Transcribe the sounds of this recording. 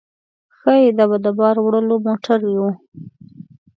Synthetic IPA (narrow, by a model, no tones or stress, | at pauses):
xəjed̪ɑβad̪əbɑɾwɽəlomoʈaɾju